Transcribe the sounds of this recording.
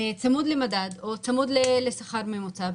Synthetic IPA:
et͡samud̪lemad̪ad̪o̞t͡samud̪lelesaχaɾmemot͡sa

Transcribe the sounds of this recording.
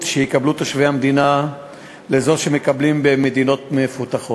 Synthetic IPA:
ʃejikablut̪aʃveamed̪ina | lezo̞ʃemekablimbeme̞d̪ino̞t̪mefut̪aχot

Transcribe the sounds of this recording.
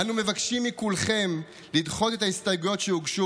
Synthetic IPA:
anume̞vakʃimːikulχe̞m | lidχo̞te̞t̪aist̪ajɡujo̞t̪ʃeuɡʃu

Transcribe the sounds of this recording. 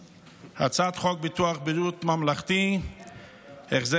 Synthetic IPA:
ha̰t͡sat̪χok̚bit̪uaχbiɾut̪mamlaχt̪i | eχze

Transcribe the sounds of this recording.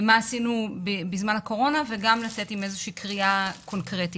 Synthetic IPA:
maːsinubibizmanako̞ʁo̞naveɡamlat͡se̞time̞zeʃiːkʁiakʰo̞nkʁeti

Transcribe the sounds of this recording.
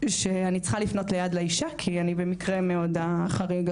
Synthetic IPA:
ʃeanit͡sχalifno̞tlejad̪leiʃakʰianibe̞mikʁemeodaχaʁiɡ

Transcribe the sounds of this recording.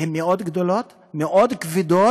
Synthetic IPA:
hemːeod̪ɡd̪olot̪ | meʔod̪kvid̪o

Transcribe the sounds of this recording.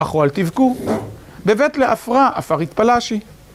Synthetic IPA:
aχoalt̪ivku | bevet̪leʔafʁaʔafaʁit̪palaʃi

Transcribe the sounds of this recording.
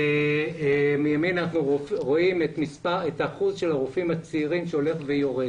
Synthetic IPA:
e | mijaminanaχnuofʁo̞imet̪mispaʁetaχuzʃelaʁufimat͡siʁimʃeo̞le̞χvejoʁed

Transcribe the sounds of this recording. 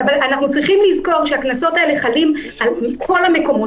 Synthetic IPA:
avalanaχnut͡sʁiχimlizko̞ʁʃeaknaso̞tae̞le̞χalim | alkʰo̞lame̞ko̞mo̞

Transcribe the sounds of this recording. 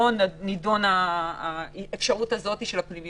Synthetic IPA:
onːidonaː | efʃaʁutazo̞t̪iʃelaklimi

